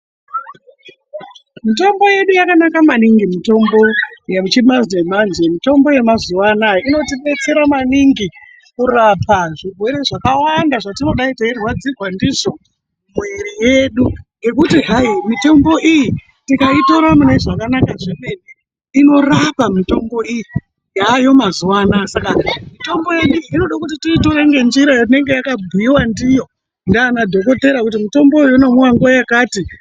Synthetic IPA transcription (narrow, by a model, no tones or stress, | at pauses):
mito̞mbo̞je̞ɗujakanakamaniŋɡimito̞mbo̞jeut͡ʃimaznemanzemito̞mbo̞je̞mazuwanajoino̞tiɓe̞t͡se̞ɾamaniŋɡi | kurapʰaʐiɡʱwe̞ɾeʐakawandaʐatino̞ɗaitairwad͡zirwandiʐo̞ | mwe̞rije̞ɗuŋɡe̞k̬utiɦaimito̞mbo̞ʔiji | tikaito̞ɾamuneʐakanakaʐine̞ni | ino̞rapamito̞mbo̞iji | jaːjo̞mazuwaːnasakamito̞mbo̞je̞ɗuino̞ɗakutititoɾeŋɡe̞nd͡ʒiɾajat̬ine̞ŋɡe̞jakabʱuiwandijo̞ | ndanadʱo̞ko̞te̞ɾakutimito̞mbo̞ujuino̞muwaŋɡwajakaːti